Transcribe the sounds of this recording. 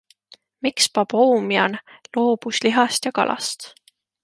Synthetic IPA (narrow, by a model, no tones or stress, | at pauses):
mikspɑb̥oːmiɑnlo̞ːb̥usliɦɑst̪jɑkɑ̰lʔɑ̰st̪